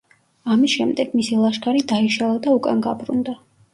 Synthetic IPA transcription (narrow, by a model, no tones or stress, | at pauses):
amisʃɛmd̪ɛɡ̥misilˠaʃkʰʼaɾid̪aiʃalˠad̪aukʼa̰nɡa̰bɾṵnd̪a